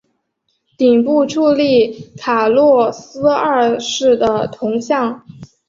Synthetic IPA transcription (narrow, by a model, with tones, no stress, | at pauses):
t̪i˨˩ŋpu˥˧ʈ͡ʂʰu˥˧li˥˩kʰa˨˩lwɔ˥˩sɹ̩˥ə˥˩˧ʂɻ̩˥˩d̪ə˩t̪ʰʊ˧˥ŋɕjɑ˥˩ŋ